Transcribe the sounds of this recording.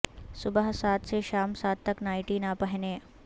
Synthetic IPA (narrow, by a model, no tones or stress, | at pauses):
sʊbəɦsaːt̪seʃaːmsaːt̪̚t̪ːəknaːiʈiːnapəɦneː